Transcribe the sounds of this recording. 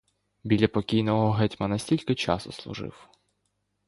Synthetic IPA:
bʲilʲːɐpɔkʲijnɔɦɔɦɛtʲmɐnɐsʲtʲilʲkɪt͡ʃɑ̰sɔslˠʊ̰ʒɪ̰w

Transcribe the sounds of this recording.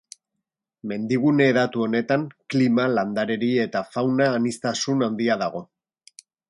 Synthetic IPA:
me̞nd̪iɣ̞une̞ːðat̪uo̞ne̞t̪aŋklimaland̪aɾe̞ɾie̞t̪afawnaːnist̪asunand̪iaðaɣ̞o̞

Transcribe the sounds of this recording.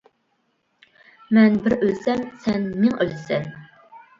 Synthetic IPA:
mɛnbɪɾʔølsɛmsɛnmɪŋʔølsɛn

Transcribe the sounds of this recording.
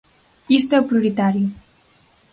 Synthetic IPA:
ist̪epɾjuɾit̪aɾju

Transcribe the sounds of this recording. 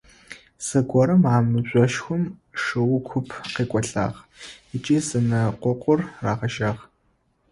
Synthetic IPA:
sɨɡʷɔɾɨmaːmɨʑʷʼɔʃxʷʊmʂɨwʊkʷʰʊpʰqeːkʷʼɔɬa̰ːʁ | ɪt͡ʃʼiːzɨnɐqʷɔqʷʊrːaːʁɐʃaːʁ

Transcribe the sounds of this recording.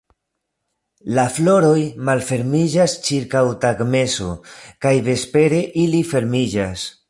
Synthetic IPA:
laflo̞ɾo̞jmalfe̞ɾmid͡ʒast͡ʃiɾkawtaɡme̞so̰kajðe̞spe̞ɾe̞ʔilife̞ɾmid͡ʒas

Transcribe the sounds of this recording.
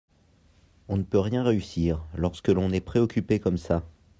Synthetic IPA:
ɔ̃nəpøʁjɛ̃ʁeysiːʁlɔʁskəlɔ̃nɛpχeɔkʲypekɔmsa

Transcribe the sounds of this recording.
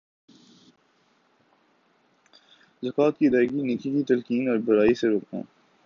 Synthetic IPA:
zɐkaːt̪̚kid̪aːɪɡiniːkikit̪ɐlkiːnɔːɾbɐɾaːiseɾoːknã̰ː

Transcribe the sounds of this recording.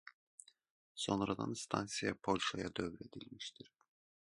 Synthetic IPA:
so̞nɾad̪a̰nst̪ʰansijapʰo̞lʲʃajad̪øvɾe̞d̪ilʲmiʃt̪ʰiɾ̥

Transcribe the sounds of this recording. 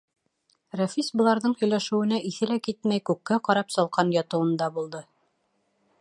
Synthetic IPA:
ræfisbŏlˠɑɾðɤɴhɵ̆jlæʃɘ̆wɘ̆næʔiθɘ̆lækit̪mæjkʉkːæqɑɾɑpsɑlˠqɑnjɒt̪ɤ̆wɤ̆nd̪ɑbulˠd̪ɤ

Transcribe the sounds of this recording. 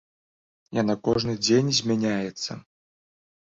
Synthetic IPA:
janakɔʐnɨd͡zʲenʲzʲmʲanʲajɛt̪sːɐ̰

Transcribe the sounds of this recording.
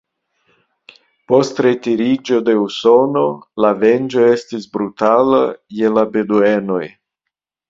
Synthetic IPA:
po̞stɾetiɾid͡ʒo̞de̞uso̞no̞lave̞nd͡ʒo̞e̞stisbɾutalaje̞labedueno̞j

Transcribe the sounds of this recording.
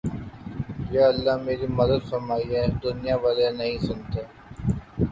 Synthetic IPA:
jeɐlːaɦmeːɾimɐd̪əd̪fɐɾmaːiɛd̪ʊnɪjaʋaːlenɐɦĩsʊnt̪eː

